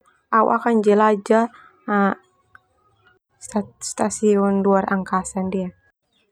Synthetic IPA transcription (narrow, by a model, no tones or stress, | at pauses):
aṵʔa̰kand͡ʒɛlad͡ʒa | sast̪asiɔnduaraŋkasandia